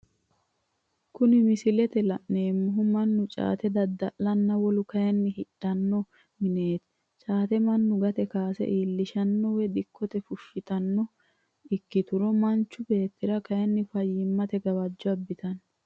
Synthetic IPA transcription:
kʊnɪmɪsɪlɛt̪ɛlɐʔne̞ːmːʊɦʊmɐnːʊt͡ʃʼa̰ːt̪ɛd̪ɐd̪ːɐʔlɐnːɐwɔlʊkɐjɐnːɪhɪᶑɐnːɔ | mɪneːt̪ | t͡ʃʼaːt̪ɛmɐnːʊɡɐt̪ɛkaːsɛ̰ʔiːlːɪʃɐnːɔwɛd̪ɪkʰːɔt̪ɛfʊʃːɪt̪ɐnːɔ | ɪkːɪt̪ʊɾɔmɐnt͡ʃːʊbe̞ːt̪ːɪɾɐkɐjɐnːɪfɐjːɪmːɐt̪ɛɡɐbɐd͡ʒːɔɐbːɪt̪ɐn

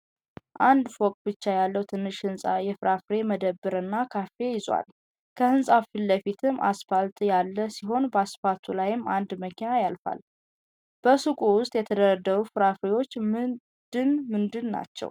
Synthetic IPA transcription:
ʔand̪fokʼbɨt͡ʃːajalːəwt̪ʰɨnːɨʃhɨnsʼajɛfɨɾafɾe̞məd̪əbːɨɾɨnːakʰafe̞jɪzwa̰l | kʰəhɨnsʼafilːəfit̪ʰɨmːʔa̰sfalt̪jalːəsiɦo̞nbəasfat̪ʰulajɪmːand̪məkʰinajalfa̰l | b̥əsɨkʼuwʊst̪ʼjɛt̪ʰəd̪əɾəd̪ːəɾufɨɾafɾewo̞t͡ʃːm | d̪̥ɨnmɨnd̪ɨnːa̰t͡ʃːɛ̰w

